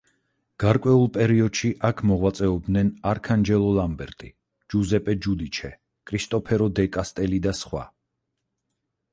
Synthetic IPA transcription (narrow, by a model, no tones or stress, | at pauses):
ɡ̥aɾkʼwɛulˠpʼɛɾiɔd̪̥ʃiʔakʰmɔʁwat̪sʼɛɔb̚d̪nɛnaɾkʰand͡ʒɛlˠɔlˠambɛɾt̪ʼi | d͡ʒuzɛpʼɛd͡ʒud̪it͡ʃʰɛ | kʼʰɾist̪ʼɔpʰɛɾɔd̪ɛkʼast̪ʼɛlid̪asχwa̰